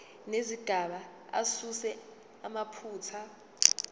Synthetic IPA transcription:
neziɡ̥ʱaɓa | a̰susɛ | amapʰuːt͡sʰa

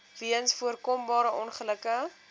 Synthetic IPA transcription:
riənsfuərkɔmbɑːɾəʔɔnχələkə

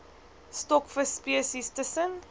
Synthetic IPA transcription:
stɔkfəspiəsistəsən

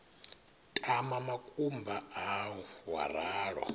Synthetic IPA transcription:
tʼamamakʼumbʱaawɔwa̰raːɺwa̰

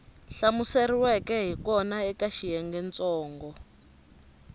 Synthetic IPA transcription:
ɬamuseriwɛkɛɦikɔnaɛkaʃijɛŋɡɛnt͡sʼɔːŋɡɔ

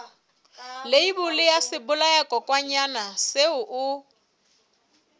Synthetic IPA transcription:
leibʊlɪjasɪbʊlaakʼɔkʼwaɲanaseʊʔʊ

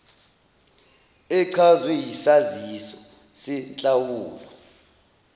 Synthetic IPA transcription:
ɛǀʰazwɛjisazisɔ | sɛnt͡ɬʼawuːlɔ

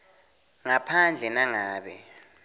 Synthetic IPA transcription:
ŋapʰand͡ɮʱɛnaŋaːɓɛ̰

